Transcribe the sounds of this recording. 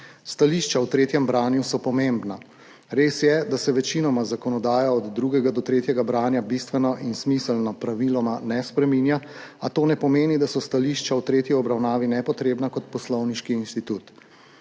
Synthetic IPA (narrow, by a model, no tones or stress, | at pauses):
st̪aliʃt͡ʃawt̪ɾeːt̪jɛmbɾaːnjusɔpɔmembna | ɾeːsjɛd̪asɛʋɛt͡ʃinɔmazakɔnɔd̪aːjaɔd̪ːɾuɡɛɡad̪ɔt̪ɾeːt̪jɛɡabɾaːnjabist̪ʋɛnɔʔinsmisəlnɔpɾaʋilɔmanɛspɾɛminjaat̪oːnɛpɔmeːnid̪asɔst̪aliʃt͡ʃawt̪ɾeːt̪jiɔbɾawnaːʋinɛpɔt̪ɾeːbnakɔt̪̚pɔslɔwniʃkiːnst̪it̪uːt̪